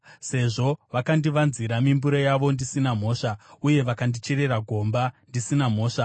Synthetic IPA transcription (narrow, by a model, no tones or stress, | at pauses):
se̞ʐo̞ʋakandiʋanziɾamimbuɾojaʋo̞ndisinam̤o̞ːʂauje̞ʋakandit͡ʃeɾe̞raɡʱo̞mbandisinam̤o̞ːʂa